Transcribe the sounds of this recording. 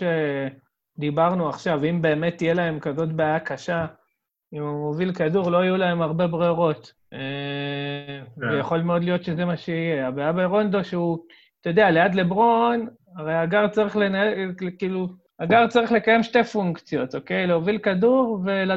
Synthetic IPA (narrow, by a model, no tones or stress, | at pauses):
e | d̪ibaʁnuaχʃavimbe̞ːme̞t̪ːije̞lae̞mkazo̞t̬beajakaʃa | imuovilkaduʁlo̞ajulae̞maʁbe̞bʁeʁo̞t̪ | e | vejaχo̞lmeo̞dlijo̞tʃe̞zemaʃeije̞abejabeʁo̞nd̪o̞ʃeu | t̪ajod̪e̞ale̞adle̞bʁo̞n | aʁejaɡaʁt͡saʁiχle̞naekiːlu | aɡaʁt͡saʁiχle̞kaje̞mʃte̞fuŋkt͡sjo̞t̪o̞ke̞jleovilkaduʁve̞la